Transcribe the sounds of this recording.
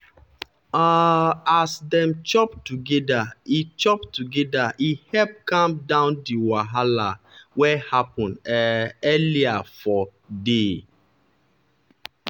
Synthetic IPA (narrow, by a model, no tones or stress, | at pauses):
aasdɛ̃mt͡ʃɔptuɡɛdait͡ʃɔptuɡɛdaʔihɛp̚kãmdãʊ̃ndiwaɦala | wɛhapɔ̃nɛɛliafɔ | de